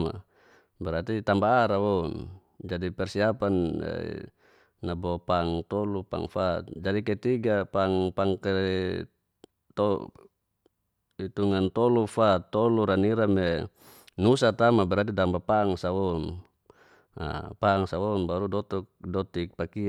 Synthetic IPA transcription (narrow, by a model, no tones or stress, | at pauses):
ma̰ | bɛɾat̪it̪ambaːɾawɔn | d͡ʒadipɛrsiapan̰ | abɔpaŋt̪ɔlupa̰ŋfat̪̚d͡ʒadikɛt̪iɡapaŋpaŋkɛ | t̪ɔ | it̪uŋant̪ɔlufat̪ːɔluɾaniɾamɛ | nusat̪amabɛɾat̪̬it̪ambapaŋsawɔn | a̰paŋsawɔnbaɾudɔt̪ɔk̚dɔt̪ik̚paki